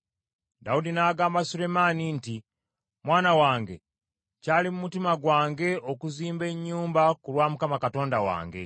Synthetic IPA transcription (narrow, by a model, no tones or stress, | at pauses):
daudinaːɡaːmbasule̞maninti | mwaːnawaːŋɡe̞̰ | caːlimumutimaɡwaːŋɡe̞o̞kuziːmbe̞ɲːuːmbakulwaːmukamakato̞ːndawa̰ːŋɡe̞̰